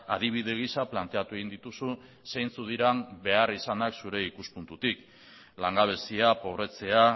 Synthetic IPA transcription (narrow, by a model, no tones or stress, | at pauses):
a̰ðiβ̞iðe̞ɣ̞isaplant̪e̞at̪ue̞ɣind̪it̪usu | sejnt͡suð̞iɾambe̞arisanaksuɾe̞ikuspunt̪ut̪ik | laŋɡaβ̞e̞siapo̞βɾe̞t͡se̞a